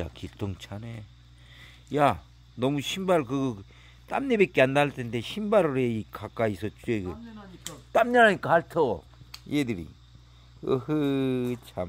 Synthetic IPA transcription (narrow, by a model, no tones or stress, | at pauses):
a̰kit͈ʰoŋt͡ɕʰane | ja | nʌmuɕʰimbaɾkɯɡɯ | t͈a̰mɲebek͈eandaɭtʰende̞ɕʰimbaɾɯɾeikak͈aisʌt͡ɕ͈ueɡɯ | t͈amɲaɾaɲik͈aaɭtʰo | jedɯɾḭ | ɯhɯt͡ɕʰam